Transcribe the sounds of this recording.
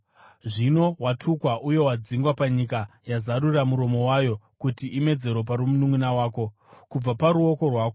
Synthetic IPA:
ʐino̞watʰukwaʔuje̞wad͡ziŋɡwapaɲikajazaɾuramuɾo̞mo̞wajo̞kutiʔime̞d͡ze̞ɾwo̞paɾumunumunawaːko̞ | kub͡vapaɾuo̞ko̞rwaːko

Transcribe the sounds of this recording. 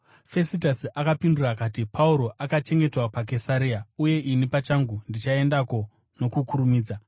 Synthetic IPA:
fe̞sitasiʔakapindurakaːtipʰauɾo̞ʔakat͡ʃe̞ŋɡe̞twapak̬e̞saɾiauje̞ʔinipat͡ʃaŋɡundit͡ʃae̞ndako̞ | no̞kukuɾumiːd͡za

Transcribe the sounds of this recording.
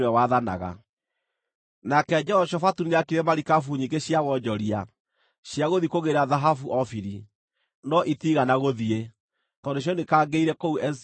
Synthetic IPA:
wɛwaðana̰ɣa̰ | nakɛd͡ʒɔɔʃɔfatuneakiɾɛmaɾikafuɲiŋɡeɕjawɔɲd͡ʒɔɾia | ɕjaɣoðikoɣeɾaðaɦafuʔɔfiɾi | nɔʔitiɣanaɣoðie | tɔndoɕ̬jɔnekaːɡeiɾɛkouɛ

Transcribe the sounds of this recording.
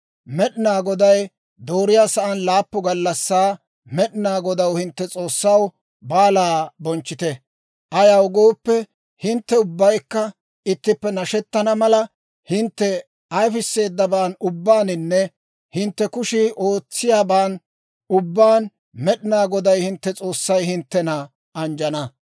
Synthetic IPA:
mɛɗɪnaːɡɔd̪ɐj | d̪o̞ːɾɪjaːsɐʔɐnlaːpːʊɡɐlːɐsːaː | mɛɗɪnaːɡɔd̪ɐwhɪnt̪ːɛt͡sʼo̞ːsːɐw | baːlaːbɔnt͡ʃːɪt̪ɛ | ʔɐjɐwɡo̞ːpːɛ | hɪnt̪ːɛʊbːɐjkːɐ | ɪt̪ːɪpːɛnɐʃɛt̪ːɐnɐmɐlɐ | hɪnt̪ːɛ | ɐjfɪsːe̞ːd̪ːɐbaːnʊbːaːnɪnːɛ | hɪnt̪ːɛkʊʃɪʔo̞ːt͡sːɪjaːbaːn | ʊbːaːn | mɛɗɪnaːɡɔd̪ɐjhɪnt̪ːɛt͡sʼo̞ːsːɐjhɪnt̪ːɛnɐ | ʔɐnd͡ʒɐnɐ

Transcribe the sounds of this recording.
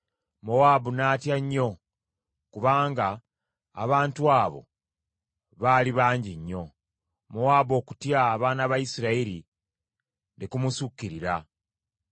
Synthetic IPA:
mowaːbunaːtjaɲːo̞ | kuβaːŋɡa̰ː | βaːntuaːβo̞̰ | βaːliβaːɲɟiɲːo̞ | mowaːbo̞ːku̥tjaːβaːnaβajisiɾaiɾi | nekumusukːiɾiɾa

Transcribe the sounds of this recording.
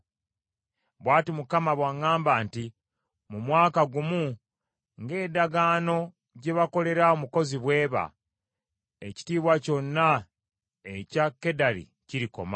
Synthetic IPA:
βwaːtimukamaβwaŋaːmbaːnti | mumwaːkaɡumu | ŋɡe̞ːdaɡaːno̞ | ɟe̞βako̞le̞ɾaomuko̞ziβwe̞ːβa̰ | eci̥tiːβwaco̞nːa | ecakːe̞daɾḭ | ciɾiko̞̰ma

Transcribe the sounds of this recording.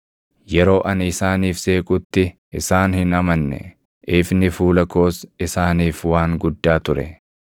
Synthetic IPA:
jɛɾo̞ːʔɐnɪsaːniːfse̞ːkʼʊt̪ːɪʔɪsaːnhɪnɐmɐnːɛ̰ | ʔɪfnɪfuːlɐko̞ːsɪsaːniːfwaːŋɡʊd̪ːaːt̪ʊɾɛ̰

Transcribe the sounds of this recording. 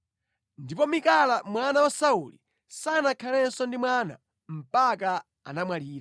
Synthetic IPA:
ndipɔmikalamwanawasaulḭ | sanakʰalɛnsɔndimwana̰ | m̩pak̬a | a̰namwaliːɾa

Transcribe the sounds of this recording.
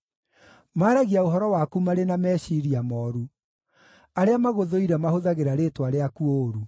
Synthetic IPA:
maːɾaɣiaoɦɔɾɔwakumaɾenamɛɕiɾiamɔːɾu | aɾeamaɣoðoiɾamahoðaɣeɾaɾetwaɾeakuoɾu

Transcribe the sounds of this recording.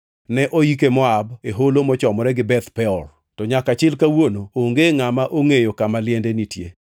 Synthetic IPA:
nɛʔoikemɔabeɦolomɔt͡ʃɔmɔɾɛɡɪbɛt̪pɛɔr | tɔɲakat͡ʃɪlkawonooŋɡeŋamaʔoŋejokamalɪɛndenitjḛ

